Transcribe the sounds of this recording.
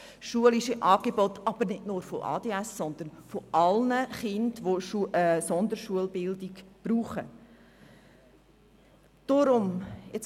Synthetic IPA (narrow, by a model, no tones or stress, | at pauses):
ʃuəliʃəʔɑːɡ̥ebɔtɑb̥əɾnɪdnʊːɾfoʔɑ̰ːd̥eːæsːɔnd̪ənfoʔɑlnəχɪndʋoʃusɔnd̪əɾʃuəlbɪldiɡb̥ɾuːχə | d̥oɾʊmɛt͡s